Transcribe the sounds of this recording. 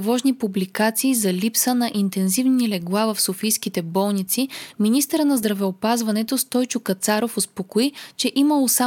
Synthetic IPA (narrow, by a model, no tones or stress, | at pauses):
vɔʒnipublikat̪siːzɐlʲipsənɐʔint̪ɛnzivnilɛɡlˠavəfsofijsk̟it̪ɛbɔlˠnit̪siminist̪əɾənɐzd̪ɾɐvɛopazvɐnɛt̪ost̪ɔjt͡ʃʊkɐt̪saɾofospokoit͡ʃɛʔiməlˠosa